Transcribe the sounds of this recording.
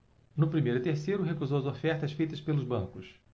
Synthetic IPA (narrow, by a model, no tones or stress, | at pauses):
nʊpɾimejɾʊɪt̪eɾsejɾʊɦekuzowɐzofɛɾt̪ɐsfejt̪ɐspelʊzbɐ̃ŋkʊs